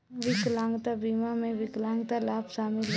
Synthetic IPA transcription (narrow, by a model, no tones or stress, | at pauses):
ʋɪklãːŋɡt̪abiːmamẽʋɪklãːŋɡt̪alaːpʃaːmɪl